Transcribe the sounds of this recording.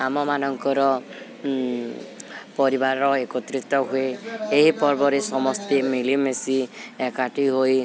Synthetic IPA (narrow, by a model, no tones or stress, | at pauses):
amɔmanɔŋkɔɾɔ | pɔɾibaɾɔekɔt̪ɾit̪ɔɦueeɦipɔɾbɔɾesɔmɔst̪imilimesiekaʈiɦoj